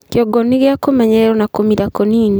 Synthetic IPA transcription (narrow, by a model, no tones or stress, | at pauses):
kjɔɡɔniɣjakomɛɲɛɾɔnakomiɾakoniːni